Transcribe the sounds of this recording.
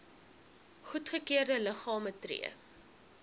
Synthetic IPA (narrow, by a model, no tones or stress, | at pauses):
χutχəkiərdələχɑːmətrḭə̰